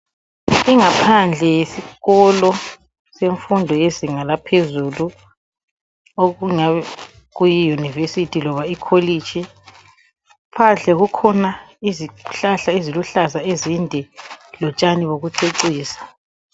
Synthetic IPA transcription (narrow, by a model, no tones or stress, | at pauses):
iŋapʰand͡ɮʱɛjesiɣɔlɔ | seɱfundʱɔjeziŋalapʰezulu | oɣuŋaβɛ | ɣujijunivesitʰilɔβaikʰolit͡ʃʰʼi | pʰand͡ɮʱɛɣukʰɔnaiziɬaɬaeziluɬazaezindʱɛlɔt͡ʃʼaniβoɣuǀeǀiːsḁ